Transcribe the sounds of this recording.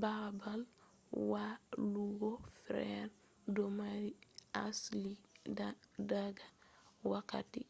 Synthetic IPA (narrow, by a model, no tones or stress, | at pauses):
babal | waluɡofɾɛɾ | domaɾiasli | daɡawaka̰ti